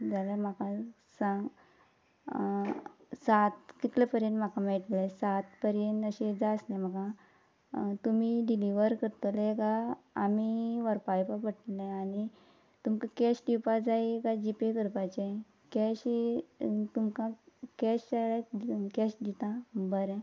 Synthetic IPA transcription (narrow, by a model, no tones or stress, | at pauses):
d͡zalamaka | sãŋɡ | sat̪kit̪lepəɾjeɳm̤akãmeʈlesat̪pəɾjeɳəɕed͡zaəslɛ̃m̤akã | t̪umiɖiliʋəɾkəɾt̪oleɡaː | miʋəɾpajpapəʈleani | t̪umkakɛsʈiwpad͡zajɡad͡ʑipekəɾpat͡ɕe | kɛɕi | t̪umkãkɛɕt͡ɕaɭekɛsd̪it̪ãbəɾɛ̃